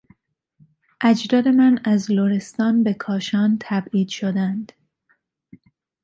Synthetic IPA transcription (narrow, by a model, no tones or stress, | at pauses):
ʔæd͡ʒd̪ɒːd̪e̞mænæzloɾe̞st̪ɒːnbe̞kʰɒːʃɒːnt̪ʰæbiːd̪̥ʃod̪ænd̪̥